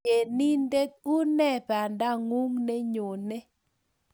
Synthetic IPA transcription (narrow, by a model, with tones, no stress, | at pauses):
e˨ni˦nde˦k̚u˦nɛ˦˨pa˨nda˦ŋu˦ŋne˦ɲo˨ne˦